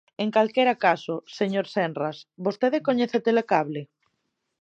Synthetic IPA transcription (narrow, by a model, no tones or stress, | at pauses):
eŋkalkeɾakasoseɲoɾsɛnrasbost̪eðekoɲeθet̪elekaβlɪ